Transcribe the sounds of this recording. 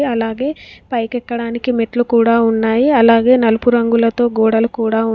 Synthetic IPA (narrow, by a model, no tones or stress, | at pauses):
ɐlaːɡe̞ːpɐjkɛkːɐɽaːnikimeʈlukuːɽaːunːaːjiɐlaːɡe̞ːnɐlupuɾɐŋɡulɐt̪o̞ːɡoːɽɐlukuːɽaːu